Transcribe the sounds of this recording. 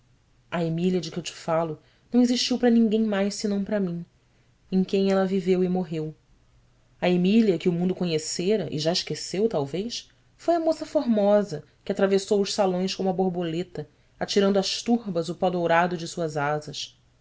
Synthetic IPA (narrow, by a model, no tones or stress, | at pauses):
ɐemiliɐd͡ʒɪkɪewt͡ʃɪ̥falʊ | nɐ̃w̃eziʃt͡ʃiwpɾɐnĩŋɡẽj̃majʃsɪnɐ̃w̃pɾɐmĩ | ẽj̃kẽj̃ɛlɐvivewɪmoɦew | ɐemiliɐkɪʊmũnd̪ʊkoɲeseɾɐʔɪ̰ʒaɪʃkesewt̪awvejs | fojɐmosɐfoɦmɔzɐ | kɪat̪ɾavesowʊʃsalõj̃skõmũɐboɾbolet̪ɐ | at͡ʃiɾɐ̃nd̪ʊɐʃt̪uɦbɐzʊpɔd̪owɾad̪ʊd͡ʒɪsuɐzazɐs